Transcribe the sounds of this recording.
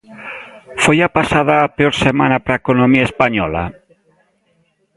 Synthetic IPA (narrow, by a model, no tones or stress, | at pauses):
fojapasað̞aːpeoɾsemanapɾaekonomiaespaɲɔla̰